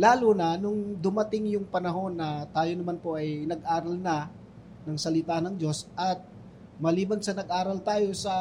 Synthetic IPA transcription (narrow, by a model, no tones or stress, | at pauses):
laːlunɐnʊŋd̪ʊmɐt̪ɪŋjʊŋpɐnɐɦo̞nːɐt̪aːjo̞nɐmanpo̞ʔɐjnɐɡʔaːɾɐlnɐ | nɐŋsɐlɪt̪aːnɐŋd͡ʒo̞sʔɐt̪̚ | mɐliːbɐnsɐnɐɡ̚ʔaːɾɐlt̪aːjo̞sɐ